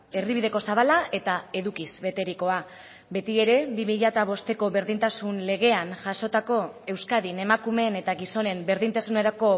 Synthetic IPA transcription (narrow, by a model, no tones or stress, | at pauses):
e̞riβiðe̞ko̞saβalaʔe̞t̪ae̞ðukizβe̞t̪e̞ɾiko̞a | be̞t̪ie̞ɾe̞βimiʎat̪aβ̞o̞st̪e̞ko̞βe̞ɾðint̪asunle̞ɣ̞e̞anʝaso̞t̪ako̞e̞wskaðine̞makume̞ne̞t̪aɣiso̞ne̞mbe̞ɾðint̪asune̞ɾako̞